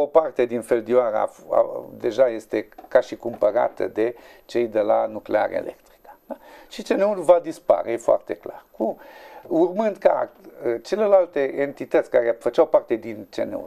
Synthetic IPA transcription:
opart̪e̞d̪infeld̪ioaɾa̰a̰d̪eʒaje̞st̪e̞kaʃikumpəɾa̰t̪ə̰d̪e̞t͡ʃe̞jd̪e̞lanuklea̰ɾḛḛlʔḛkt̪ɾi̥kə̥aʃit͡ʃeneulvad̪ispa̰ɾejefoa̰rt̪e̞kla̰rkumurmɨnd̪ka̰ət͡ʃe̞le̞lalt̪e̞ʔent̪it̪ət̪sʲkaɾefət͡ʃawpart̪ed̪int͡ʃḛnḛṵl

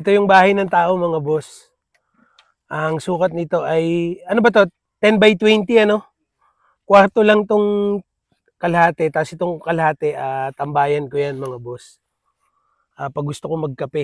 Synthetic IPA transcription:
ʔɛt̪o̞jʊŋbaːhɐjnɐŋt̪aːʔo̞mɐŋabo̞s | ʔɐŋsuːkɐt̪̚nɪt̪o̞ʔɐjɐno̞bɐt̪o̞ | t̪ɛnbɐjt̪wɛnt̪iɐno̞ | kwaɾt̪olɐŋt̪oŋ | kɐlhaːt̪ɛt̪aːsɪt̪oŋkɐlhaːt̪ɛʔaːt̪ɐmbaːjɐnkojanmɐŋabo̞s | ʔaːpɐɡ̚ɡʊst̪okomɐɡ̚kɐpɛ

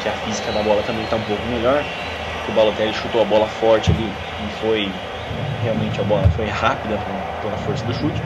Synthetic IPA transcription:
kɪɐfizikɐd̪ɐbɔlɐt̪ɐ̃mbẽj̃t̪aũpowkʊmeʎɔɾ | ʊkɪʊbalot̪ɛlɪʃut̪owɐbɔlɐfɔɾt͡ʃɪali | ɪfoj | ɛɦeawmẽnt͡ʃɪɐbɔlɐfojhapid̪ɐp | poɾɐfoɾsɐd̪ʊʃut͡ʃɪ̥

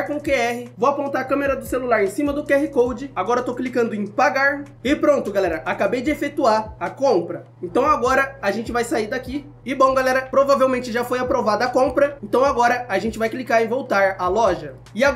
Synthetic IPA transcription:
ɾkõʊkeɛɦɪvowapõnt̪aɾɐkɐ̃meɾɐd̪ʊselulaɾẽj̃sĩmɐd̪ʊkɛhɪkowd͡ʒɪaɡɔɾɐt̪owklikɐ̃nd̪ʊẽj̃paɡaɾ | ɪpɾõnt̪ʊɡalɛɾɐʔakabejd͡ʒɪefet̪uaɐkõmpɾɐ | ẽnt̪ɐ̃w̃aɡɔɾɐaʒẽnt͡ʃɪvajsaiɾd̪aki | ɪbõw̃ɡalɛɾɐpɾovavewmẽnt͡ʃɪʒafojapɾovad̪ɐːkõmpɾɐẽnt̪ɐ̃w̃aɡɔɾɐaʒẽnt͡ʃɪvajklikaɾɪvowt̪aɾalɔʒɐ | ɪa

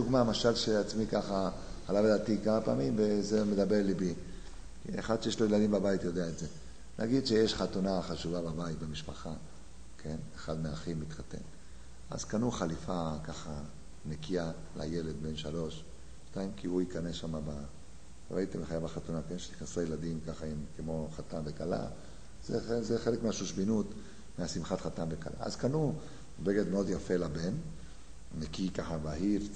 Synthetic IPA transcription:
duɡmamaʃalʃeat͡smikaχa | alavedat̪ikamapa̰ːmimvezemed̪abe̞ʁlibi | kiḛχad̪ʃejeʃlo̞jelad̪imbabait̪jo̞d̪eaetze̞ | nʔa̰ɡid̪ʃejeʃχat̪unaχaʃuvababait̪bemiʃpaχa | kʰe̞neχad̪meaχimit̪χat̪e̞̰n | a̰z̥kanuχalifakaχa | nekia | la̰jeled̪̚be̞nʃalo̞ʃ | ʃtaimkihuikanesʃamaba | ɾa̰it̪emeχajabaχatunakenʃe̥niχnesuajelad̪imkaχaimkemo̞χat̪anvekala̰ | zeezeχelekmeaʃuʃbinut̪ | measimχat̪χat̪anveka̰lʔa̰a̰zkanu | beɡed̪meo̞d̪jafe̞laben | nekikaχabaɦiʁ

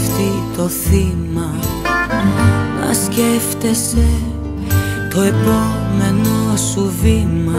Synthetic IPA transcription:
ft̪it̪o̞θimɐ | ɐ̰sce̞ft̪e̞se̞ | t̪o̞epo̞me̞nosuvimɐ

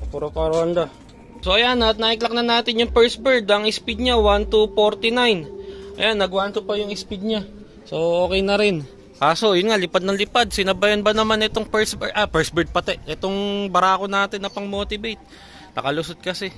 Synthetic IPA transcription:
puɾopaɾoɐnd̪a | so̞ʔɐjanːɐɐt̪̚naʔɪklɐk̚nɐnːaːt̪ɪnjʊŋpɛɹsbɛɹd̪ɐŋɪspid̪̚ɲawant̪ufoɾt̪ɪnajnʔɐ̰janːɐɡwant̪ʊpɐjʊŋɪspid̪̚ɲa | so̞o̞ːkɛjnɐɾɪn | kaːso̞jʊnŋalɪpad̪̚nɐŋlɪpad̪̚sɪnɐbajɐnbɐnɐmanʔɛt̪o̞ŋpɛɹsbɛʔɐpɛɹsbɛɹd̪̚pɐt̪ɛʔʔɛt̪o̞ŋbɐɾaːkonaːt̪ɪnːɐpɐŋmo̞ːt̪ɪbejt̪̚ | nɐ̰kɐlʊsod̪̚kɐsɛ

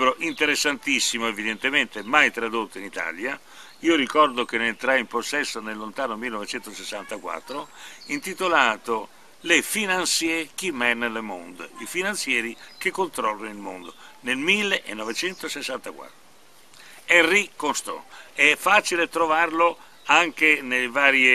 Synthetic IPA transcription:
bɾoʔint̪eɾesːant̪isːimoevid̪ent̪ement̪emajt̪ɾad̪ot̪ːoinit̪a̰lja | ioɾikɔrd̪ok̟eneent̪ɾaimposːɛsːonelːont̪aːnomilːenɔvet͡ʃɛnt̪osesːant̪akwa̰t̪ːɾoint̪it̪olaːt̪o | lefinansjek̟imɛnːlemo̰nd̪̰ifinant̪sjɛːɾikekːont̪ɾɔlːanilmo̰nd̪onelmilːeʔḛnːɔvet͡ʃɛnt̪osesːant̪akwa̰t̪ːɾo | ɛrːikːost̪ɔ̰ɛfːaːt͡ʃilet̪ɾovarlo | aŋkenelvaːɾje

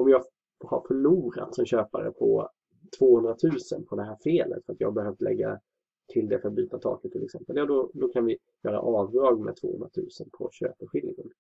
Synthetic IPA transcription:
ɔmjɑː | ha̰ɾfœɭuːɾa̰t̪sɔmɕøːpaɾə̰pʰɔ | t̪ʰvoːhɵnd̪ɾat̪ʰʉ̟ːsənpʰɔd̪ɛɦæːɾfeːlʔə̰t̪fœɾat̪jɑ̰ːhabɛɦœft̪lʔɛ̰ɡːa̰ | t̪ʰɪld̪ɛfœɾat̪byːt̪at̪ʰɑ̰ːkət̪ʰːɪlɛksɛmpəljɑːd̪ɔd̪ɔkʰanvɪ | jœːɾa̰ʔɑːvd̪ɾɑːɡmɛd̪t̪ʰv̥o̰ːhɵ̰nd̪ɾat̪ʰʉ̟ːsənpʰɔ̰ɕø̰ːpəɧɪlɪɡən

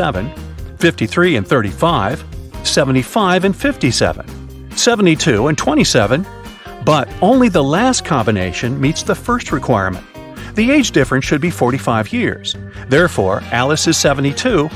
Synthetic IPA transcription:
ɛvɨ̰̃nfɪftiθɹiɨ̃nθɜ˞ɾifaɪv̥sɛṽn̩tifaɪvɨ̃nfɪftisɛ̰vɨ̰̃n | sɛvn̩titʰʉə̃ntʰw̥ɛ̃ɾ̃isɛvɨ̃n | bʌɾõʊ̃nliðəlæst̚kʰɑ̃mbɨneɪʃɨ̃nmitsðəfɜ˞st̚ɹɨkʰw̥aɪɹmɨ̰̃n | ðieɪd͡ʒdɪfɹɨ̃nʃɨd̚bifɔɹɾifaɪvjɪɹz̥ | ðɛɹfɔ̰ɹʔælˠəsɨz̥sɛṽn̩titʰʉ

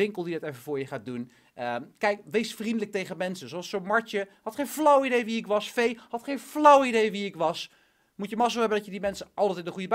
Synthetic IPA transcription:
ɪŋkəlˠdidɑtefəvʊːɹjəχaːt̚dun | əkɛjkʋejsfrindələk̚tejχəmɛnsənzoɑlˠsonmɑɹt͡ʃəhɑtχejnvlʌwidejʋiɪkʋɑsfejhɑtχejnflʌwidejʋiɪkʋɑs | mutjəmɑs̬olˠɦɛbəndɑtjədimɛnsəʔɑlˠtɛtɪndəχujəb

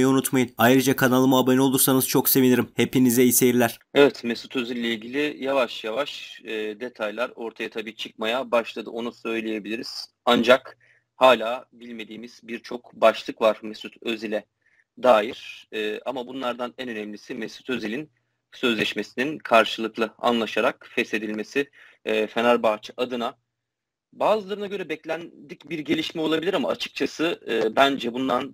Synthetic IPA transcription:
jɛunut̪majinajɾɯd͡ʒakʰanalˠɯmabano̞lˠuɾsanɯz̥t͡ʃʰo̞kse̞viniɾimhe̞pinizɛisejiɾlʲæɾ̥evɛt̪mesut̪ʰø̞zillːʲeilʲɟilʲijavaʃjavaʃd̪e̞t̪ʰajlʲˠaɾo̞ɾt̪ʰajat̪ʰabiːt͡ʃʰɯk̚majabaʃlˠad̪ɯ̰ʔo̞nusø̞jlʲeje̞bilʲiɾiz̥ | and͡ʒak | haːlʲaːbilʲme̞d̪iːmiz̥biɾt͡ʃʰo̞kbaʃlˠɯkvaɾmesut̪ʰøzilʲɛ | d̪aːjiɾ̥ːʔamabunlˠaɾd̪anænø̞nɛmlʲisimɛsu̥t̪ʰø̞zilʲin | sø̞zlʲɛʃme̞sininkʰaɾʃɯlˠɯklˠɯa̰nlˠaʃaɾakfɛse̞d̪ilʲme̞sife̞naɾbat͡ʃʰɯ̥ʔad̪ɯna | baːzɯlˠaɾɯnaɟø̞ɾɛbɛclʲænd̪icbiɾɟe̞lʲiʃmɛo̞lˠabilʲiɾama̰ːt͡ʃʰɯ̥k̚t͡ʃʰasɯbænd͡ʒɛbund̪an

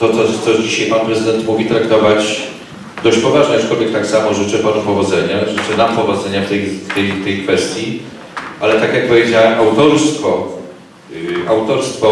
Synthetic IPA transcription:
t̪ɔt̪sɔt̪sɔd͡ʑiɕajpanpɾɛzɨd̪ɛnt̪muvʲit̪ɾakt̪ɔvat͡ɕ | d̪ɔɕt͡ɕpɔvaʐɲɛat͡ʂkɔlvʲjɛk̚t̪aksamɔʐɘt͡ʂɛpanɛpɔvɔd̪zɛɲaʐɘt͡ʂɛnampɔvɔd̪zɛɲaft̪ɛjt̪ɛjt̪ɛjkfɛst̪ʲji | ʔalɛt̪akjak̚pɔvʲjed͡ʑawɛmʔawt̪ɔɾst̪fɔ | awt̪ɔɾst̪fɔ

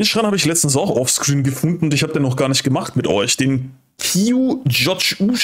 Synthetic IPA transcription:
nʃʁanhabəɪçlɛt͡stn̩s̬aʊxʔɔfskʁ̥iːnɡəfʊndn̩ʊntɪçhaːbədenɔχɡ̥aːɐnɪçt̚ɡ̥əmaχtmɪtʔɔ̰ʏçd̥eːn | kʰiːud͡ʒɔt͡ʃuːʃ

